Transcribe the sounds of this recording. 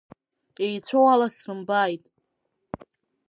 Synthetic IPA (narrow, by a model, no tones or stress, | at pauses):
ejt͡sʷʰowalasrɨmbajtʼ